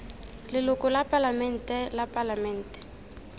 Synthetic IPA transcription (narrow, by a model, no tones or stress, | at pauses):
lɪlʊkʼɔlapʼalamɛn̩tʼɛlapʼalamɛn̩ːtʼɛ̥